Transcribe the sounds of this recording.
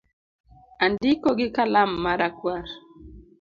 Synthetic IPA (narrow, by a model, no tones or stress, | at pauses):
andikoɡɪkalamːaɾakwaɾ